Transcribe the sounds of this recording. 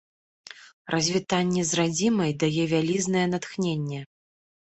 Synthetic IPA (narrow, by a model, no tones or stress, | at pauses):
rɐzʲvʲit̪anʲːɛzrad͡zʲimɐjd̪ajɛvʲalʲiznɐjɛn̪at̪xnʲenʲːɛ